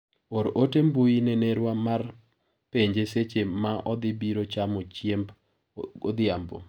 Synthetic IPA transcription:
oɾotembujineneɾwamar | peɲd͡ʒeset͡ʃemaʔɔd̪ɪbiɾot͡ʃamot͡ʃjemb | od̪ɪambo̰

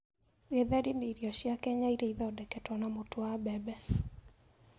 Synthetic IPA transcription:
eðaɾimeɾiɔɕjakɛɲaiɾeiðɔdɛkɛtwɔnamotoabɛbɛ

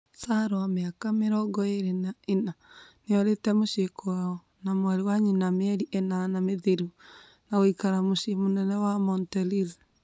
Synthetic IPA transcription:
saɾowameakameɾɔɡɔeɾenaenaneɔɾetɛmoʃekoaɔ | namwaɾewaɲinameɛɾiʔenanameðeɾu | naoikaɾamoʃemonɛnɛwamɔntɛlil

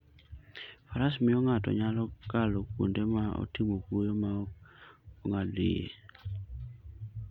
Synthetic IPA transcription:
paɾasmɪɔŋatɔ̰ɲalɔkaloko̰ndɛmaɔ̰timokujoma | ɔŋadḛḛ

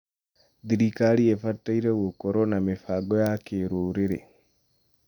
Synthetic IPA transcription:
d̪iɾikaliefatːaiɾewokoɾonamefaɡojakeɾuːɾeɾḛ

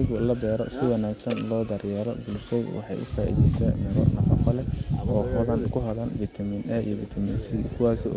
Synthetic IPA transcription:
ɣʊlɐbɛːɾɔ̰sɪwɑnaːɡsɐnlɔːd̪ɐrjɛːɾɔ̰bʊlsɔw̰wɑ̰ħɑ̰jʔʊ̰faːʔḭðɛjsɛ̰ːnmɐɾɔ̰nɐfɔfɐlɛɔːkʊðɐnkʰʊɦɐðɐnbit̪ʰɐminɛḭjɔbit̪ʰɐmɪnsikʰʊwɑːsḭ

